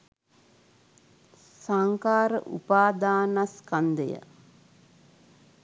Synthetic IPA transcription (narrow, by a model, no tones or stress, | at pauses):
saŋkaːɾəʔṵpaːd̪aːnaskand̪ə̰jə̰